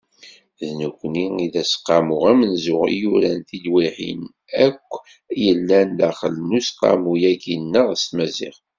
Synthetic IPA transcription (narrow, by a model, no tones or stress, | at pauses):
ðnukʷːəniiðæsqːɑmʊʁæmənzʊʁjuɾænθid̪wiħḭn | ækʷː | jəlːænlæχəlnusqːɑ̰mujæɡinːəʁəst̪mæzḭʁ